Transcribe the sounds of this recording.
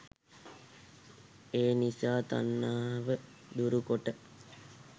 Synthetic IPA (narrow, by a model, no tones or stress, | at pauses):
eːnisaːt̪a̰nːaːʋə | d̪uɾukoʈə